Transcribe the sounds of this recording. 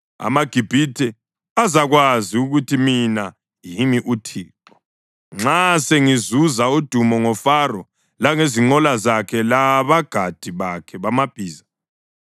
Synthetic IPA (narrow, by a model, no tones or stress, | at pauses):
a̰maɡ̥ʱib̥ʱitʰɛ | azaɣwaziuɣutʰimina | jimiʔutʰiːǃɔ | ŋ͡ǁaseŋizuzaud̥ʱumɔŋɔfarɔ | laŋeziŋ͡ǃɔlazakʰɛlaβaɡ̥ʱad̥ʱiβakʰɛβamab̥ʱiːza